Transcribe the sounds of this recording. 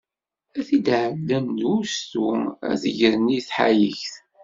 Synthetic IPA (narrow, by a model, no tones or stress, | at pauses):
æθid̪ʕəd̪ːæmd̪ust̪uæ̰θəʝəɾniθħa̰jəçθ